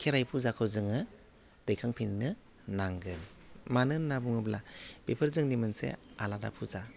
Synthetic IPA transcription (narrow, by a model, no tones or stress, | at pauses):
kʰeɾajpʰuzakʰɯwzɯŋɯ | d̥ɯjkʰaŋpʰinnɯ | naŋɡɯn | manɯnnabuŋɯblab̥epʰɯɾzɯŋdimɯnsḛalada̰pʰuza